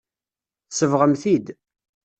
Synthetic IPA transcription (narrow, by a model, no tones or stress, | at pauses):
θsəvʁəmθid̪